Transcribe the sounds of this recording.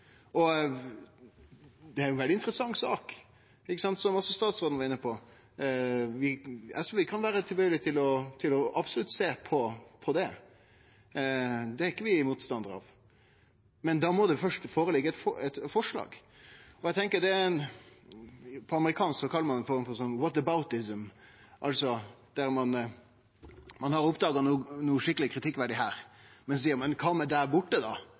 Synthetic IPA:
ɔ | d̪ɛæɾjɛnʋɛld̪ɪnt̪əɾəsɑŋːsɑ̰ːk | ɪkːəsɑnt̪sɔmɔsːɔst̪ɑːt̪sɾoːd̪nəʋɑɾɪnːəpʰɔ | ʋɪɑsɔʋɪkʰɑnʋæːɾət̪ʰɪlbœːɡlɪt̪ʰɪlɔt̪ʰɪlɔɑbsɔlʉt̪seːpʰɔpʰɔd̪ɛ | d̪ɛæɾɪkːəʋɪmuːt̪st̪ɑnd̪əɾɑ̰ʋ | mɛnd̪ɑmɔd̪ɛfœʂʈfoːɾəlɪɡəɛt̪fɔɛt̪fɔʂɭɑ̰ːɡ | ɔæɪt̪ʰɛŋkəd̪ɛ | pʰɔɑməɾɪkʰɑːnsksɔkʰɑlːəmɑnɛnfɔɾmfɔɾsɔnːwɔt̪əbaʊt̪ɪsəmʔɑlsɔd̪̥æɾmɑn | mɑnhɑɾʊpd̪ɑːɡɑnuːnuːʂɪkːəlɪkʰɾɪt̪ʰɪkːʋæɖɪɦæːɾmɛns̬iːəɾmɛnkʰɑːmɛd̪æɾbʊʈːəd̪ɑ

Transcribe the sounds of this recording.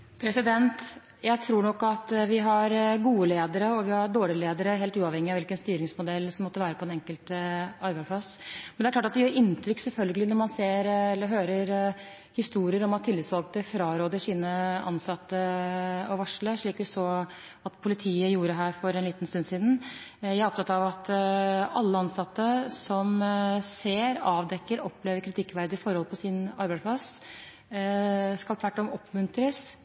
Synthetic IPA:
pʰɾɛsɪd̪ɛnt̪ | jæɪt̪ʰɾuːɳɔkːɑt̪ʋɪɦɑɾɡuːəleːd̪əɾəɔʋɪhɑɾɖ̪oːɭɪəleːd̪əɾəɦeːlt̪ʉːɑʋhɛŋːɪɑʋɪlkənst̪yːɾɪŋsmʊd̪ɛlːsɔmːɔt̪ːəʋæːɾəpʰɔɛnɛŋkəlt̪ɑɾbæɪspʰlɑsmɛnɛɾklɑːʈɑt̪̚d̪ɛjøːɾɪnt̪ʰɾʏksɛlfœlɡəlɪnɔɾmɑnseːɾɛlːəɦøːɾəɾ | hɪst̪uːɾɪəɾɔmɑt̪ʰːɪlːɪt̪sʋɑlk̚t̪əfɾɑːɾoːd̪əʂiːnəʔɑnsɑt̪ːəɔʋɑʂləʂɭiːk̪̚ɛsɔ | ɑt̪pʰʊlɪt̪ʰiːəjuːɾəɦæːɾfɔɾɛniːt̪n̩st̪ʉnsiːd̪n̩jæɪɾɔpt̪ʰɑt̪ːɑʋɑt̪ | ɑlːəɑnsɑt̪ːəsɔmseːɾɑːʋd̪ɛkːəɾɔpːleːʋəɾkʰɾɪt̪ʰɪkːʋæɾd̪əɪfɔɾhɔlpʰɔsɪnɑɾbæɪspʰlɑs | skɑlt̪ʰʋæʈːɔmɔpʰːmʉnt̪ɾəs

